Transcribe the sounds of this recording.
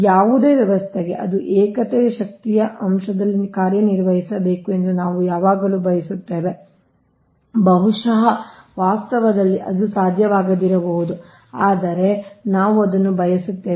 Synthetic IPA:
jaːʋud̪e̞ːʋjɐʋɐst̪ʰeɡe̞̰ʔɐd̪uʔɛːkɐt̪ɛjɐʃɐk̚t̪ijɐʔɐmʃɐd̪ɐlːikaːɾjɐniɾʋɐɦisɐbe̞ːkue̞nd̪unaːʋujaːʋaːɡɐluːbʱɐjɐsut̪ːeːʋe | bɐɦuʂɐɦɐʋaːst̪ɐʋɐd̪ɐlːiʔɐd̪usaːd̪ʱjɐʋaːɡɐd̪iɾɐbɐɦud̪u | aːd̪ɐɾe̞naːʋuɐd̪ɐnːubʱɐjɐsut̪ːeː

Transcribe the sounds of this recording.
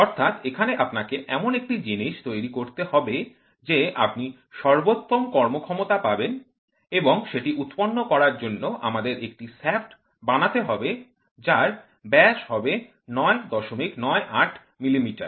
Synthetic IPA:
ɔɾt̪ʰat̪ekʰaneʔapnakeʔɛmonek̚ʈid͡ʑiniʃt̪ojɾikoɾt̪ehɔbe | d͡ʑeʔa̰pni | ʃɔɾbot̪ːomkɔɾmokʰɔmot̪apaben | eboŋʃeʈiʔut̪ponːokɔɾaɾd͡ʑonːoʔa̰mad̪eɾek̚ʈisefʈ | banat̪eɦɔbe | d͡ʑaɾ | bɛʃɦɔbe | nɔed̪ɔʃomiknɔeʔaʈʰ | milimiʈa̰ɾ

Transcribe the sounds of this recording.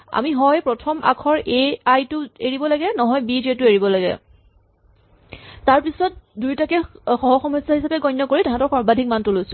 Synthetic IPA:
a̰miɦɔjpɹɔtʰɔmʔa̰kʰɔɹeajtʊeɹibɔlaɡɛnɔɦɔjbid͡ʒetʊeɹibɔlaɡɛ̰ | taɹpisɔt̚dujtakɛxɔɦɔxɔmɔsahisapɛɡɔjnːɔkoɹitaɦãtɔɹxɔɹbadʱik̚mantʊlojsʊ

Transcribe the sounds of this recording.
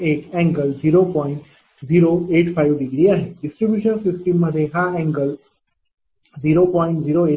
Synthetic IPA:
eːkɛ̃ŋɡəlziːɾopɔːɪ̃ɳʈ | ziːɾoeːʈpʰajʋɖɪɡɾiaːɦeɖɪsʈɾibjuːʃənsɪsʈimːəd̪ʱeɦaɛ̃ŋɡəl | ziːɾopɔːɪ̃ɳʈziːɾoeː

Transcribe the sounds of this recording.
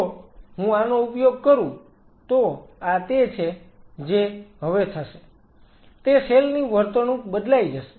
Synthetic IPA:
oɦũanoupjoɡ̚kəɾũ | t̪oat̪et͡ʃʰed͡ʒeɦəʋet̪ʰəʃe | t̪eselniʋəɾt̪ənũbəd̪laid͡ʒəʃe̥

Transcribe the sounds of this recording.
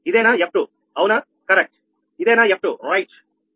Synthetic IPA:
id̪eːnaɛp̚ʈu | ɐwna | kɐɾek̚ʈ̚ | id̪eːnajep̚ʈuɾajʈ

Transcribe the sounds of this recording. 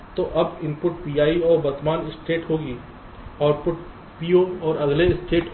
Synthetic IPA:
t̪oʔɐbɪ̃mpʊʈ̚pijaːiɔːɾbɐɾt̪maːnɪsʈeːʈɦoːɡiː | ɔːɾpʊʈ | pijõɔːɾɐɡleɪsʈʰeːʈɦ

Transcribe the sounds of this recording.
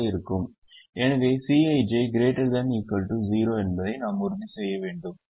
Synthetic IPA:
iɾɯkːum | eːnɐʋeːsiːɐɪd͡ʒeːɡɾeːʈɐɾd̪ɐniːkːɐlʈuziːɾoːenbɐðɐɪnaːmuɾunisɛːjɐʋeːɳɖɯm

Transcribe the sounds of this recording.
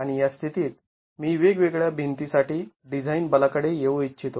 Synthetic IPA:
aɽ̃ijast̪ʰit̪iːt̪̚ | miːʋeɡʋeɡɭjabʱint̪isaʈiː | ɖid͡zʱainbəlakəɽejeʋoit͡ɕːɕʰit̪o

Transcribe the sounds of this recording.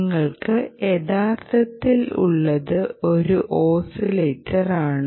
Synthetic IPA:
ŋːɐɭkɨeðaːrt̪ɐt̪ːilṵɭːɐðɨo̞ɾuʔo̞ːsileːtːɐraːɳ

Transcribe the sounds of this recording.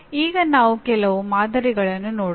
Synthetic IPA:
iːɣɐnaːʋɯkɛlɐʋɯmaːðɐɾɪɣɐɭɐnːɯnoːɽ

